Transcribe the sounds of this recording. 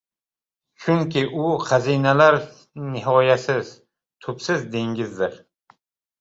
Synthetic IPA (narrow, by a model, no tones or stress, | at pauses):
ʃʰʊŋkʲʰɪʔʊqʰɑzinalaɾ | nɪɦɒjasɪz̥ | t̪ʰʊpsɪzd̪e̞ŋʲɪzd̪ɪɾ